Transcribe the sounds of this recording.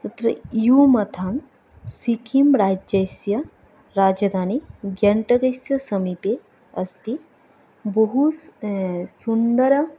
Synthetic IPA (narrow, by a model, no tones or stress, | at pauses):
t̪ɐt̪ɾɐ̰umɐt̪ʰaːm | sikʰimɾaːd͡ʒɐjsjɐ | ɾaːd͡ʒɐd̪ʱaːniɡjɐɳʈɐɡɐjsjɐsɐmipe | ɐst̪i | bɐɦu | sund̪ɐɾ